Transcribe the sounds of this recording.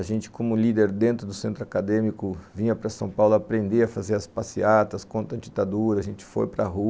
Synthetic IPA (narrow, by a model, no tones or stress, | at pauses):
aʒẽnt͡ʃɪ̥kõmʊlid̪eɾd̪ẽnt̪ɾʊd̪ʊsẽnt̪ɾʊakad̪ẽmikʊvĩɲɐpɾɐsɐ̃w̃pawlʊapɾẽnd̪eɐfazeɾɐspasiat̪ɐskõnt̪ɐd͡ʒit̪ad̪uɾɐʒẽnt͡ʃɪ̥fo̰jpɾɐɦu